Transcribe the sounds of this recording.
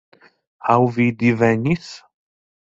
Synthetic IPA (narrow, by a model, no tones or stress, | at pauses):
awvid̪ivæniθ